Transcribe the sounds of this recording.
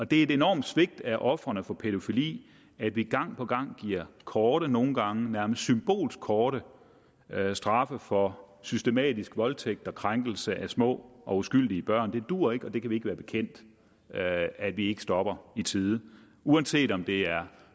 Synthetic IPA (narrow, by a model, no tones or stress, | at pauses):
ɒ̽d̥e̝æe̝de̝nɒ̰ːmd̥sʋe̝ɡ̥̚d̥æʔɒ̽fʁɐnəfɒ̽pʰeɾo̝filḭː | æd̥ʋiɡ̥ɑ̈ŋ̰pʰɒ̽ɡ̥ɑ̈ŋ̰ɡ̥iɐ̰kʰɒːɾ̥əno̝ːn̩ɡ̥ɑ̈ŋənæɐməsd̥symb̥o̝̰ːlsɡ̥ʰɒːɾ̥ə | sd̥ʁɑ̈fəfɒ̽ | sysd̥e̝mɛ̰ːdisɡ̥ʋɒ̽lt͡sʰeɡ̥̚d̥ɒ̽kʰʁaŋɡ̥l̩səʔæsmɔ̰̽ːʔɒ̽usɡ̥yl̰d̥iəb̥ɶɐ̰nd̥e̝d̥uɐ̰e̝ɡ̥ɒ̽d̥e̝kʰæʋie̝ɡ̥ʋæːɐb̥e̝̥kʰen̰d̥ | æ̥ʋie̝ɡ̥ə̥sd̥ɒ̽b̥ɐit͡sʰiːðˠ | uænse̝̰ːd̥ɒ̽md̥e̝æɐ